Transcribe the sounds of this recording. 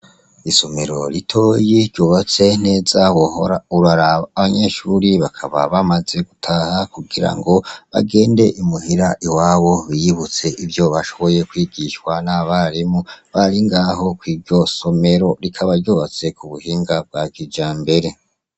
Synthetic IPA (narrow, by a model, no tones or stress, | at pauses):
iso̞me̞ɾo̞ɾitʰo̞ːjiɾɟoːβat͡se̞ne̞ːzaɾuɾaɾaːβaɲe̞ːʃuːɾiβakʰaβa̰βamaze̞ɡutʰahakuɡiɾa̰ŋɡo̞βa̰ɡe̞ːnde̞ʔimuhiɾaʔiwaːβo̞βijiβut͡se̞ʔivjoβaʃo̞βo̞je̞kwiːɡiʃwanaβaɾimuβaɾiŋɡaːho̞kwiːɾɟo̞so̞me̞ɾo̞ɾikʰaβaɾɟoːβat͡se̞kuβuhiːŋɡab̚ɡ̥aːɡid͡ʒaːmbe̞ɾe̞